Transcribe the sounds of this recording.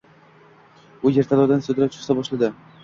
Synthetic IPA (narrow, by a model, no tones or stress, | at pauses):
ʊje̞ɾt̪ʰalˠɒwd̪ansɵd̪ɪɾat͡ʃʰʊ̥χsabɒʃlad̪ɪ